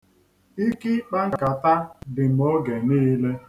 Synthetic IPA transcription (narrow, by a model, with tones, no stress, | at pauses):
i˦ki˦k͡pa˦ŋ̩˦˨ka˨ta˦dɪ˨m̩˨o˦ɡe˨niː˦le˦